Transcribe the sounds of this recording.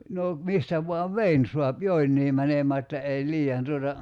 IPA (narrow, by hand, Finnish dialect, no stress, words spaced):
no mistæ ʋuɑʋ ʋein suɑp joinːiː mænemæː etːæ ei liːɑn tuotɑ